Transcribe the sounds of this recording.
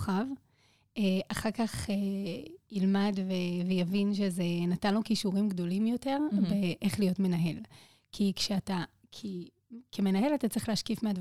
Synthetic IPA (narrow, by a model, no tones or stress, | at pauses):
χav | eʔaχakaχejilmadvevejavinʃ̬ezenatanlukiʃuʁimɡdo̞limjo̞te̞ʁbeʔeχlijo̞tme̞naɦe̞l | kʰikʃeata | kʰi | keme̞naɦe̞latat͡sʁiχleaʃkifmeadv